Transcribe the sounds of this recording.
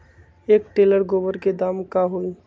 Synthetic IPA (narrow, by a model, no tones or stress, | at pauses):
eːkʈeləɾɡobəɾked̪aːmkaɦoi